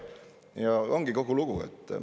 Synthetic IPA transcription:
jɑo̞ŋɡ̥iko̞ɡuluɡ̥uḛt̪ˑː

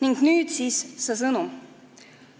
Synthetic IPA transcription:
niŋɡ̥nyːd̪̥siːssesɤnum

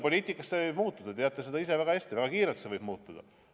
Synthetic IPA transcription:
po̞lʲiːt̪ikːˑɑsːe̞vɤjb̥muːt̪ːˑud̪ɑt̪eɑt̪ːˑese̞d̪ɑise̞væɡ̥ɑeːst̪ivæɡ̥ɑkiːɾelt̪se̞vɤjb̥muːt̪ːˑud̪̥ɑ̰

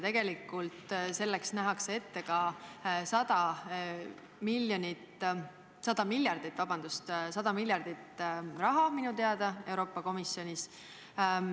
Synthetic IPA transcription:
t̪e̞ɡ̥e̞likːˑult̪se̞lːeksnæɦɑksee̞t̪ːe̞kɑsɑd̪̥ɑ | milːjonit̪ | sɑd̪̥ɑmilʲjɑrd̪̥it̪ːˑvɑb̥ɑnd̪̥ust̪sɑd̪̥ɑmilʲjɑrd̪̥it̪ːrɑɦɑminut̪e̞ɑd̪̥ɑe̞wɾo̞ːpːˑɑko̞misjo̞nʲis

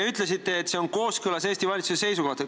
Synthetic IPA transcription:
eyt̪ˑle̞sit̪ːe̞ːt̪se̞o̞nko̞ːskɯlɑseːsʲt̪ivɑlʲit̪susese̞jsuko̞ht̪ɑ

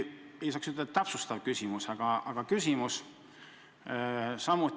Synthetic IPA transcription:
e̞jsɑːksyt̪ːed̪ɑt̪æpsust̪ɑvkysʲimusɑɡ̥ɑɑɡ̥ɑkysʲimus | sɑmut̪

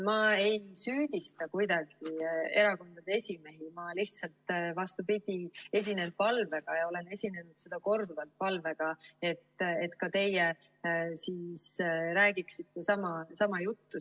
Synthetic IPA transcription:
mɑe̞jsyːd̪̥ist̪ɑkujd̪ɑɡ̥ie̞ɾɑko̞nd̪ɑd̪̥eesʲime̞ɦimɑliht̪sɑlt̪ˑvɑst̪upid̪̥ʲie̞s̬ʲinel̚pɑlve̞ɡ̥ɑjɑo̞lene̞sʲine̞nud̪̥sed̪̥ɑko̞rd̪uvɑlt̪̚pɑlve̞ɡ̥ɑe̞t̪ːˑet̪kɑt̪e̞je | siːsɾæːɡ̥iksit̪ːesɑmɑsɑmɑjut̪ːu

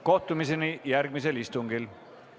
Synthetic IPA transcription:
ko̞ht̪umis̬e̞nijæɾɡmiselist̪uŋɡ̥il

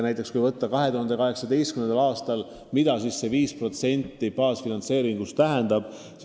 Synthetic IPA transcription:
næjt̪ːˑe̞kskujvɤt̪ːɑkɑɦe̞t̪uɦɑnd̪ekɑɦe̞ksɑd̪e̞jst̪kymnend̪ɑlɑːst̪ɑl | mid̪ɑsisːe̞viːspro̞t̪se̞nʲt̪ːipɑːsfinɑnt̪se̞ːɾiŋɡ̥ust̪æɦend̪̥ɑb̥ | s

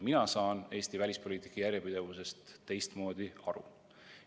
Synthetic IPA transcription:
minɑsɑːne̞ːst̪ivælʲispo̞lʲiːt̪ˑi̥kːˑɑjærjepid̪̥e̞vuse̞st̪ːe̞jst̪mo̞ːd̪̥iɑɾṵ

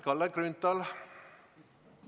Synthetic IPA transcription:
kʰɑlːəɡɾʉnt̪ɑl

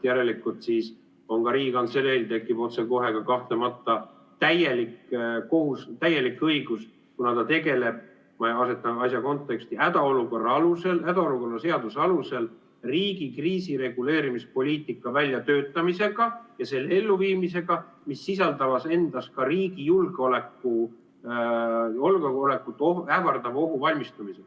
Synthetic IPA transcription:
jæɾe̞likːˑult̪siːs | o̞ŋkɑɾiːɡikɑnt̪selelt̪e̞kːˑibo̞t̪seko̞ɦe̞ɡ̥ɑkɑht̪le̞mɑt̪ːˑɑ | t̪æje̞likːko̞ɦust̪æje̞likːɤjɡ̥us | kunɑt̪ɑt̪e̞ɡe̞le̞b̥̚ | mɑɑse̞t̪ːˑɑɑsjɑko̞nt̪ˑːe̞kst̪iæd̪̥ɑo̞luko̞rːɑɑluse̞læd̪̥ɑoluko̞rːɑse̞ɑd̪usɑluse̞l | riːɡikriːsiɾe̞ɡ̥ule̞ːɾimispo̞lʲiːt̪ˑikːˑɑvælʲjɑt̪ø̞ːt̪ːˑɑmise̞ɡ̥ɑjɑse̞lːee̞lːuviːmise̞ɡ̥ɑ | misːis̬ɑld̪̥ɑvɑse̞nd̪̥ɑskɑɾiːɡ̥ijulɡ̥eo̞le̞kːu | olɡole̞kːˑut̪ːˑoævɑrd̪ɑvo̞ɦuvɑlʲmist̪ɑmise̥

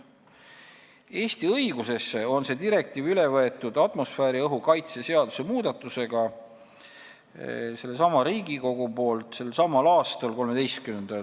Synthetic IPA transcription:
e̞ːst̪iɤjɡ̥use̞sːeo̞nse̞ːd̪iɾe̞k̚t̪iːvylevɤe̞t̪ːˑud̪̥ɑt̪mo̞sfæːɾiɤɦukɑjt̪sese̞ɑd̪̥use̞muːd̪̥ɑt̪ːˑuse̞ɡ̥ɑ | se̞lːe̞sɑmɑɾiːɡiko̞ɡ̥upo̞ːlt̪ˑse̞lːsɑmɑlɑːst̪ɑlko̞lme̞d̪ejst̪kymend̪̥ɑ

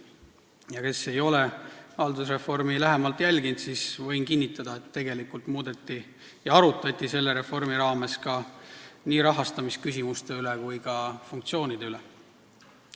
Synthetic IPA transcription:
jɑke̞se̞jo̞le̞hɑld̪usre̞fo̞rmilæɦemɑlt̪ˑjælʲɡint̪sisvɤ̞jnkinʲːit̪ːˑɑd̪̥ɑe̞t̪ːe̞ɡ̥e̞likːult̪muːd̪et̪ːˑi | jɑɑɾut̪ːˑɑt̪ʲːˑise̞lːe̞ɾe̞fo̞rmiɾɑːme̞skɑniːɾɑɦɑst̪ɑmiskys̬ʲimust̪e̞yle̞kujkɑfunkt̪sio̞ːnid̪̥e̞yle

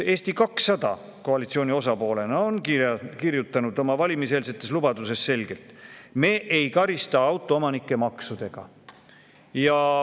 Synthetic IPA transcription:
e̞ːst̪ikɑksɑd̪̥ɑ̰ | ko̞ɑlit̪sio̞ːnʲio̞sɑpo̞ːle̞nɑo̞nkirjut̪ːˑɑnud̪̥o̞mɑvɑlʲimiseːlset̪ːˑe̞slub̥ɑd̪use̞sːe̞lɡ̥e̞lt̪me̞ːʔejkɑɾist̪ɑɑwt̪ˑoomɑnikːˑe̞mɑksud̪̥e̞ɡ̥ɑ̰ | jɑ

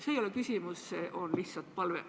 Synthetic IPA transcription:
seːjolekysʲimusːeʔo̞nlihtsːɑlt̪̚pɑlvḛ

